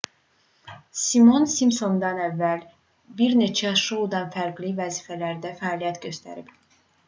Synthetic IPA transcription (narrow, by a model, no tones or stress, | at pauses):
simo̞nsimso̞nd̪ɑnævːæl | biɾne̞t͡ʃʰæʃoud̪ɑnfæɾɡlivæzifælæɾd̪æfæɑːlijæt̪ɟø̞st̪æ̰ɾib